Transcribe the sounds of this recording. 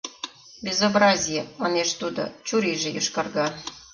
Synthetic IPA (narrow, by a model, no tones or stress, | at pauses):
bʲezobrɑzʲijemɑneʃt̪ud̪o̰t͡ɕuɾiʒĕjuʃkɑrɣɑ